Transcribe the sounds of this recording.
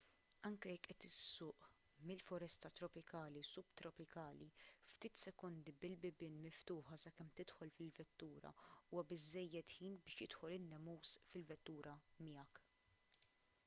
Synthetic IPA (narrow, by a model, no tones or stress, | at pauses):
ɐŋkɛjɛkːʔɛt̪ɪsːʊːʔ | mɪlfʊɾɛst̪ɐt̪ɾɔpɪkɐːlisʊbt̪ɾɔpɪkɐːlift̪iːt̪sɛkɔnd̪ibɪlbɪbɪːnmɪft̪ʊːħɐsɐkɛmt̪ɪt̪ħɔlfɪlvɛt̪ːuːɾɐ̰uːwɐbɪzːɛjːɛt̪ħiːnbɪːʃjɪt̪ħɔlɪnːɛmuːsfɪlvɛt̪ːuːɾʔɐmɪjɐk